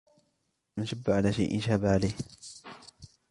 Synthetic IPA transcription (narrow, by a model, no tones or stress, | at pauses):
maʃabːʕalaːʃa̰jʔɪ̰nʃahbaʕalajh